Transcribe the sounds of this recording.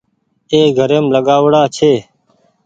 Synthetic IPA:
eːɡʱəɾeːmləɠaːʋɽaːt͡ʃʰeː

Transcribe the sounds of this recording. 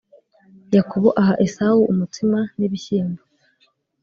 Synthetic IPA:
jakoβoʔaɦaʔesauʔumutimaniβiçiːmbo

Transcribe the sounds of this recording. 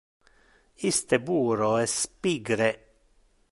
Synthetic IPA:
ist̪əbuːɾoɛspiɡɾe

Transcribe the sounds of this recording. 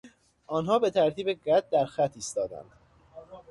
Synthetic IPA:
ʔɒːnɦɒːbe̞t̪ʰæɾt̪ʰiːbeɢæd̪̚d̪æɾxæt̪ʰiːst̪ɒːd̪æ̰nd̪̥

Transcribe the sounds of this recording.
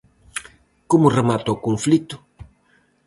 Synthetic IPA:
komʊremat̪okõnflit̪ʊ̥

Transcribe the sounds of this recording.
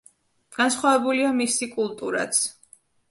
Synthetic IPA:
ɡ̥ansχwavɛbuliamisikʼulˠt̪ʼuɾa̰t̪sʰ

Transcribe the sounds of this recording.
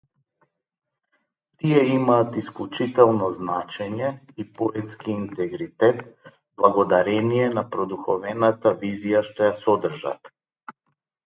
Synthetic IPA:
t̪iɛimaːt̪isklˠut͡ʃit̪ɛlˠnɔznat͡ʃɛɲɛ | ipɔɛt̪skiːnt̪ɛɡɾit̪ɛt̪ | blˠaɡɔd̪aɾɛnijɛnapɾɔd̪uxɔvɛnat̪avizijaʃt̪ɔjasɔd̪r̩ʒa̰t̪

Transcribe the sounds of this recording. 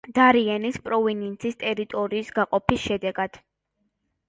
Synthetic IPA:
d̪̥aɾiɛnispʼɾɔvinɛnt̪sʰist̪ʼɛɾit̪ʼɔɾiːsɡaqʼɔpʰisʃɛd̪ɛɡad̪̥

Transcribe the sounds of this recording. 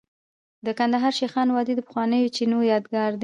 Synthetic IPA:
d̪əkand̪aɦɑɾʃexɑnwɑd̪id̪əpə̥xwɑnəjot͡ʃinojɑd̪ɡɑɾd̪

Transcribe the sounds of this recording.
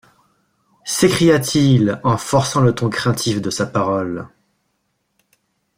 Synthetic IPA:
sekχijat̪ʰilɑ̃fɔʁsɑ̃lət̪ɔ̃kχɛ̃t̪ʰifd̪əsapaʁɔl

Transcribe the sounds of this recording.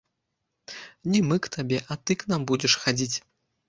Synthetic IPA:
nʲɛmɨkt̪abʲɛʔɐt̪ɨknambud͡zʲɛʂxad͡zʲit͡sʲ

